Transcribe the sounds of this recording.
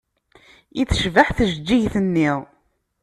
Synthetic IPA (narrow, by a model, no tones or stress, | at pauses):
iθə̥ʃvəħθəʒd͡ʒːiʝθənːiʁ